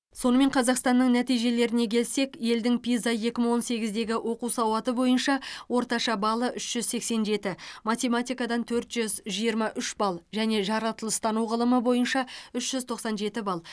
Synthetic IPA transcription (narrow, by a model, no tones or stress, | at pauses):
so̞nəme̞ɴqʰɑzɑqst̪ɑnːəɴnæt̪ijʒe̞le̞ɾɪne̞kʲʰe̞lse̞kje̞ld̪ɪŋpijzɑjje̞kʲɪməɴwo̞nse̞ɡʲɪzd̪e̞ɡʲɪʔo̞quwsɑwɑt̪əbo̞jənʃɑwo̞ɾt̪ɑʃɑbɑlˠəʔʏʃʒ̥ʏzse̞kse̞nʒe̞t̪ɪmat̪ʲe̞mat̪ʲijkɑd̪ɑnt̪ʰɵɾt̪ʒ̥ʏzʒijəɾmɑʔʏʃbɑlˠʒæne̞ʒɑɾɑt̪əlˠəst̪ɑnuʁəlˠəməbo̞jənʃɑʏʃʒ̥ʏzt̪ʰo̞qsɑnʒe̞t̪ɪbɑlˠ